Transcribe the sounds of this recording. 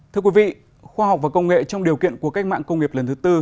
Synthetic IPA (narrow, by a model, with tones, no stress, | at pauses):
t̪ʰɨ˧əkwi˨˦vḭ˧˨ | xwaː˧ha˨˩k͡p̚vaː˨˩kə˧wŋ͡mŋḛ˧˨t͡ɕɔ˧wŋ͡mɗi˨˩əwkḭ˧˨ənku˧˩əka˦˥k̟̚ma̰ː˧˨ŋkə˧wŋ͡mŋi˨˩əp̚lə˨˩nt̪ʰɨ˨˦t̪ɨ˧